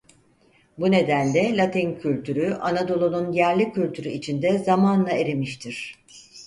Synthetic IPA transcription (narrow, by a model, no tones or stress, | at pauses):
bune̞d̪ænlʲɛlʲat̪ʰincʰylʲt̪ʰyɾyʔanad̪o̞lˠonˠunjæɾlʲicylʲt̪ʰyɾyit͡ʃʰind̪ɛzamaːnɯnˠaeɾemiʃt̪ʰiɾ̝̥